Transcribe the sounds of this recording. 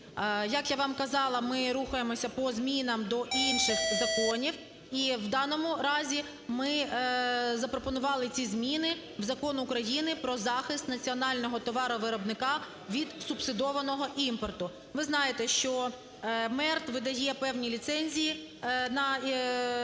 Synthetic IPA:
jɐkjaʋɑmkɐzɑlˠɐmɪɾuxɐjemɔsʲɐpɔzmʲinɐmd̪ɔʔinʃɪxzɐkɔnʲiw | iwd̪ɑnɔmʊɾɑzʲi | mɪ | zɐpɾɔpɔnʊʋɑlˠɪt͡sʲizmʲinɪ | wzɐkɔnʊkɾɐjinɪpɾɔzɑxɪst̪nɐt͡sʲiɔnɑlʲnɔɦɔt̪ɔʋɑɾʊʋɪɾɔbnɪkɑ | ʋʲid̪subsɪd̪ɔʋɐnɔɦɔʔimpɔrt̪ʊ | ʋɪznɑjet̪ɛʃt͡ʃɔ | mɛrt̪ʋɪd̪ɐjɛpɛwnʲilʲit̪sɛnʲzʲiji | nɐ

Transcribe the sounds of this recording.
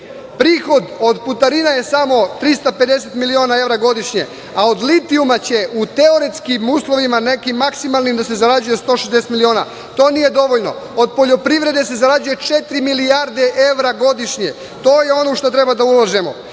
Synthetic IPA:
pɾiːxo̞d̪o̞d̪put̪aɾinaje̞samo̞t̪ɾist̪ape̞d̪e̞se̞t̪milio̞ːnae̞ʋɾaɡo̞d̪iʃɲe̞ | ao̞d̪lit̪iumat͡ɕe̞ʔut̪eo̞ɾit̪skimuːslo̞ʋimane̞kimːaksimalnimd̪ase̞zaɾad͡ʑuje̞st̪o̞ːʃezd̪eset̪milio̞ːna | t̪o̞ːnije̞d̪o̞ʋo̞ʎno̞̰od̪po̞ʎo̞pɾiʋɾe̞d̪e̞se̞zaɾad͡ʒuje̞t͡ʃe̞t̪ɾimiliaɾd̪e̞ʔe̞ʋɾaɡo̞d̪iʃɲe̞̰ | t̪o̞ːjeo̞noʃt̪ot̪ɾe̞bad̪aulˠaʒemo̞̰

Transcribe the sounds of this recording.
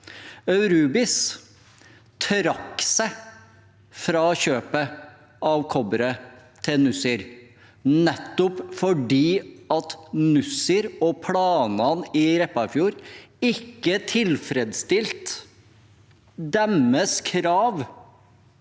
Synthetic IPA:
œʉɾʉːbɪs | t̪ʰɾɑkːsɛɪ | fɾɑːçøːpə | ʔɑʋkʰɔbəɾət̪ʰɪlnʉsɪɾ | nɛt̪ːʊpfɔɖiːɑt̪nʉsɪɾɔpʰlɑːnɑnɪɾɛpːɑfjuːɾɪkːət̪ʰɪlfɾɛd̪st̪ɪlt̪ | d̪ɛməskʰɾɑːʋ

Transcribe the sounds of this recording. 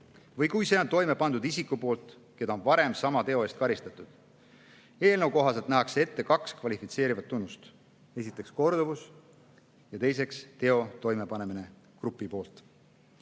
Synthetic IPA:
vɤjkujse̞ːo̞nt̪o̞jme̞pɑnd̪ud̪isikːupo̞ːlt̪ | ke̞d̪ɑo̞nvɑɾe̞msɑmɑt̪e̞o̞e̞st̪̚kɑɾist̪ɑt̪ˑud̪̥ | e̞ːlnə̞wko̞ɦɑselt̪næɦɑksee̞t̪ːe̞kɑkskvɑlifit̪se̞ːɾivɑt̪ːunːust̪ | e̞s̬ʲit̪ːˑe̞ksko̞rd̪̥uvus | jɑt̪e̞js̬e̞kst̪e̞o̞t̪o̞jmepɑne̞mine̞ | krupːˑipo̞ːlt̪ˑ

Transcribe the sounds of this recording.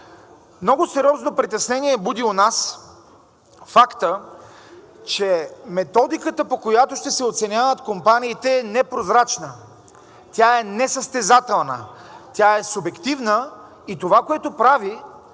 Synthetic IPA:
mnɔɡosɛɾʲjɔznopɾit̪ɛsnɛniɛbud̪iʊnas | fakt̪ə | t͡ʃɛmɛt̪ɔd̪ikət̪əpokojat̪oʃt̪ɛsɛot̪sɛnʲavət̪kompaniːt̪ɛːnɛpɾozɾat͡ʃnə | t̪ʲjaɛnɛsəst̪ɛzat̪ɛlˠnə̰t̪ʲjaɛsʊbɛkt̪ivnə | it̪ovakoɛt̪opɾavi

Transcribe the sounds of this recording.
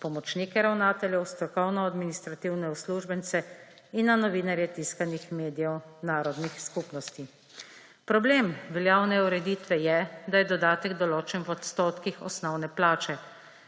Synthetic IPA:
pɔmɔt͡ʃnikɛɾawnaːt̪ɛljɛwst̪ɾɔkɔwnɔad̪minist̪ɾat̪iwnɛusluʒbɛnt̪sɛ | inːanɔʋiːnaɾjɛt̪iskanixmeːd̪ijɛwnaːɾɔd̪nixskupnɔst̪i | pɾɔbleːmʋɛljaːwnɛuɾɛd̪iːt̪ʋɛjɛd̪ajɛd̪ɔd̪aːt̪ɛɡd̪ɔloːt͡ʃɛnʋɔt̪st̪oːt̪kixɔ̰snɔwnɛplaːt͡ʃɛ

